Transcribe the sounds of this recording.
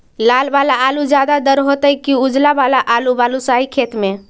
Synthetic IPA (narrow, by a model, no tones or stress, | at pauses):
lalbalaːlud͡ʒjad̪ad̪əɾɦot̪əikiud͡ʒlabalaʔalubalusaikʰet̪me